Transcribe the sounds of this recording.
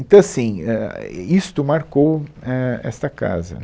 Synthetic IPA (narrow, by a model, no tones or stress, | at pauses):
t̪ɐ̃w̃ɐsĩɛist̪ʊmaɾkowɛɛ̰st̪ɐka̰zɐ̰